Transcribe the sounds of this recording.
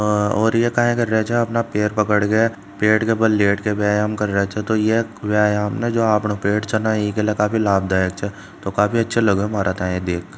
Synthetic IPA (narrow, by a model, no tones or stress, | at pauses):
ɔːɾjekaːɦẽkɐɾːɛet͡ʃʰɛɐpnapeːɾpɐkəɽɡɐa | peːʈkebɐlleːʈkeʋaːamkɐɾːəɦet͡ʃʰɛt̪ojeʋɛːamned͡ʒoːaːpnopeːʈt͡ʃʰɐnaikelekaːfilaːb̚d̪aːjəkt͡ʃʰɛ | t̪okaːfiɐtːʃʰelɐɡmaːɾʔat̪ʰaẽed̪eːk